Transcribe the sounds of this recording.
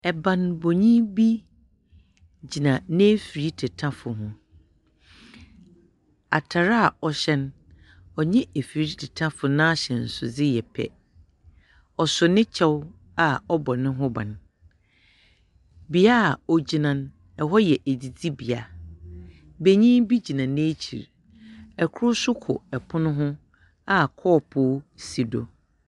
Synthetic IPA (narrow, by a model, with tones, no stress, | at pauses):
ɛ˨bã˨nbɔ˨ɲĩ˦bi˦ | d͡ʑi˨nã˨nẽ˦fi˨ɾi˦tʰɛ˨tʰã˦fʊ˨ɦʊ̃˦ | a̰˨tʰa˨ɾa˦a˨ɔ˨ɕɛ˦n | ɔ˨ɲɛ̃˦e˨fi˨ɾi˦tʰɛ˨tʰã˦fʊ˨nãː˦ɕɛ̃˨n̩˨sʊ̰˨d͡zɪ˦jɛ˨pʰɛ̰˦ | ɔ˨sʊ˨nɪ̃˦t͡ɕʰɛ˦w | a˨ɔ˦bɔ˨nɪ̃˦ɦʊ̃˦bã̰˨n | bi˨a˦˨ɔ˨d͡ʑi˨nã˨n | ɛ˨ɦɔ˦jɛ˨ʔe˨d͡zi˨d͡zi˦bi˨a˨ | be˦ɲĩ˦bi˦d͡ʑi˨nã˨n˦e˦t͡ɕʰḭ˨ɾ | ɛ˨kʰʊ˦ɾʊ˦sʊ˦kʰʊ̰˨ɛ˨pʰʊ˦nʊ̃˦ɦʊ̃˦ | a˨kʰɔː˦˨pʰʊ˦si˨do̰˨